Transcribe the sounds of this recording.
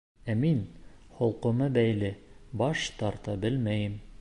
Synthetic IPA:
æminχŏlˠqŏmɤbæjlɘbɑʃt̪ɑɾt̪ɑbɘlmæjɘm

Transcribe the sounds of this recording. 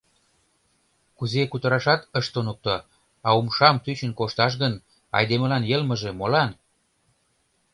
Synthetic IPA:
kuzekut̪əɾɑʃɑt̪əʃt̪onuk̚t̪o | ɑumʃɑmt̪yt͡ɕə̆nkoʃt̪ɑʃ̬ɣən | ɑ̰jd̪emə̆lɑnjəlmə̆ʒemolɑn

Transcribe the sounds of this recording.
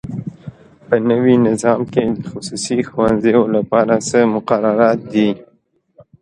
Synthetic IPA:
pənəwinɪzɑmked̪əxʊsusixwanzejolapɑɾasəmʊqaɾaɾɑt̪̚d̪i

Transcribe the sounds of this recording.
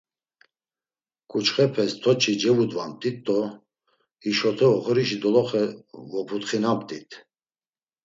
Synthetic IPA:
kʼut͡ʃʰχɛpʰɛst̪ʰɔt͡ʃʰid͡ʒɛvud̪vamt̪ʼit̪ːɔ | iʃɔt̪ʰɛɔχɾiʃid̪ɔlɔχɛvɔpʰut̪χinampt̪ʼit̪ʰ

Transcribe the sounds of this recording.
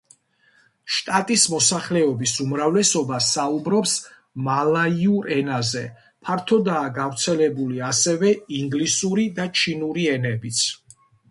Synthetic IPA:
ʃt̪ʼat̪ʼismɔsaχlɛɔbisumɾavlɛsɔbasaubɾɔps | malaiuɾɛnazɛ | pʰaɾt̪ʰɔd̪aːɡavɾt̪sʰɛlɛbuliasɛvɛiŋɡlisuɾid̪at͡ʃʰinuɾiɛnɛbit̪sʰ

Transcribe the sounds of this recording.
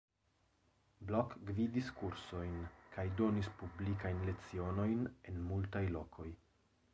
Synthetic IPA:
blokɡvidiskuɾso̞jnkʰajdo̞nispublikajnle̞t͡sio̞no̞jne̞nmultajlo̞kʰo̞j

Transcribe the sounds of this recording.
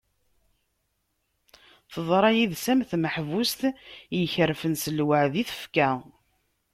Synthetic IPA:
θəðˤɾˤɑjiðsæmθməħvust̪jəçəɾfənsəlwəʕðiθə̥fkæ

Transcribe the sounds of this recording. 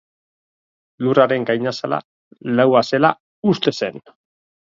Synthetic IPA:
luraɾe̞ŋɡajɲasala̰ | lawase̞la | ust̪e̞se̞n

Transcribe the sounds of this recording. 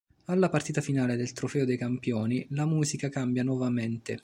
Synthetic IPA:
alːapart̪iːt̪afinaːled̪elt̪ɾofɛːod̪ejkampjɔːnilamuːzikakambjanwɔvament̪e

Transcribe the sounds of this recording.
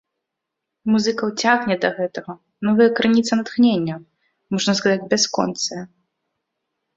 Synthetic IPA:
muzɨkɐwt͡sʲaɣnʲɛd̪ɐɣɛt̪ɐɣɐ | nɔvɨjɐkɾɨnʲit̪sɐnɐt̪xnʲenʲːɐ | mɔʐnɐs̬kazad͡zʲbʲaskɔ̰nt̪sɨjɐ

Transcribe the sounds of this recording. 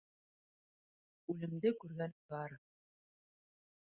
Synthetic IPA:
ʉlɘ̆md̪ɘkʉɾɡænbɑɾ

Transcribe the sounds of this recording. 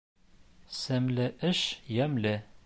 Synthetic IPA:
sæmlɘʔɘʃjæmlɘ

